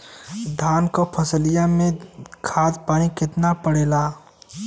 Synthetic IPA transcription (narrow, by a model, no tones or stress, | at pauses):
d̪ʱaːnkəpʰəsəlijamekʰad̪paːnikɪt̪napəɽela